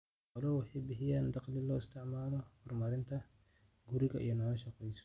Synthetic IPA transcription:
ɐlɔwɑħɑjbɪħɪjaːnd̪ɑqlɪlɔːɪst̪ʰɪʕmaːlɔhʊrmɐɾɪnt̪ʰɐ | ɡuɾɪɣɐʔḭjɔnɔːlɐʃɐqɛjsɔ̥

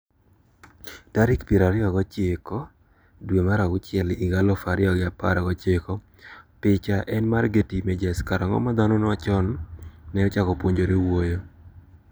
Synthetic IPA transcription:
taɾɪkpjeɾaɾɪɔɡɔt͡ʃekɔ | dwemaɾaɡʊt͡ʃɪɛliɡalɔfaɾɪɔɡɪapa̰ɾaɡɔt͡ʃekɔ | pɪt͡ʃaʔɛnmarɡetimɛd͡ʒɛskaɾɔŋɔ̰mad̪anɔnɔat͡ʃɔnːɛɔt͡ʃakɔpwoɲd͡ʒoɾewojo

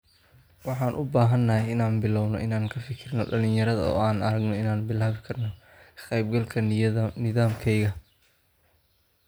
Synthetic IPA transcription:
wɑħɑːnʔʊbaːɦɐnːɐhɛjɪnaːnbɪlɔwnɔ̰ʔɪnaːŋkʰɐfɪkʰɪrnɔɖɐlɪ̃ɲjɐɾɐðɐ̰ɔ̰ːaːnɐɾɐɡnɔɪnaːnbɪlaːβɪkʰɐrnɔ | qɛjb̚ɡɐlkʰɐnɪðaːmkʰɛjɣɐ

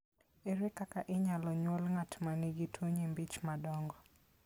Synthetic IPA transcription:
eɾɪkakaʔɪɲalɔɲwɔlŋatmaniɡitʰoɲembit͡ʃmadɔŋɡɔ

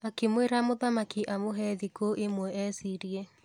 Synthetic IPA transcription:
akemweɾamoðamakiʔamoɦɛðikoʔemwɛɛsiɾie

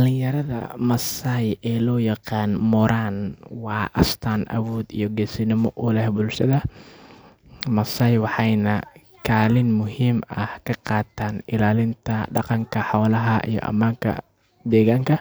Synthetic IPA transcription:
ɐlɪjɐɾɐðɐ̰mɐsajɛːlɔːjɑqɑːnmɔɾaːnwɑːʔɐ̰st̪ʰaːnʔɐ̰wɔːd̪ḭjɔɡɛsɪnɪmɔʔʊlɛhbʊlʃɐðɐ | mɐsɐːjwɑħɑjnɐ | kʰaːlɪnmʊɦiːmɐhkʰɐqɑːt̪ʰaːnɪlaːlɪnt̪ʰɐɖɑ̰qɑŋkʰɐħɔːlɐɦɐʔḭjɔ̰ʔɐ̰maːŋkʰɐ̰ | d̪ɛːɣaːŋkʰɐ

